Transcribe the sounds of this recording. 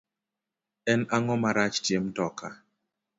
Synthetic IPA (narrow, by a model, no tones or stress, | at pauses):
ɛnaŋɔmaɾat͡ʃtjemtɔka